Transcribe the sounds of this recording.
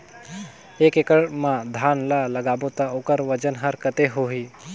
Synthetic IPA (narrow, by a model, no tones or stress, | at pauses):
eːkekəɽmãd̪ʱaːnlalɐɡaːbot̪aoːkəɾʋɐd͡ʒənɦɐɾkɐt̪eɦoːɦiː